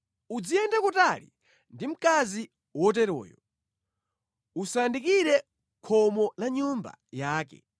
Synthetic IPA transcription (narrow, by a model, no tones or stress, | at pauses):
ud͡zijɛndakutalḭ | ndim̩kazi | wɔt̬ɛɾɔ̰ːjɔ̰ | usandikiɾɛ | kʰɔmɔlaɲumba̰jaːk̬ɛ̰